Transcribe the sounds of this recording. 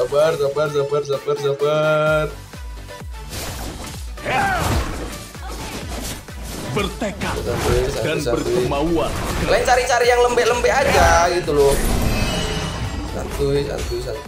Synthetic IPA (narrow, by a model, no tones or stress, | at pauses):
abarsabars̬abars̬əbərs̬əbər | bərt̪ekasant̪ujsadansabət̪uəmaualaɲt͡ʃaɾit͡ʃaɾijaŋləmbɛʔləmbɛʔad͡ʒaɡit̪ulo | sa̰nt̪ujsa̰nt̪ujsan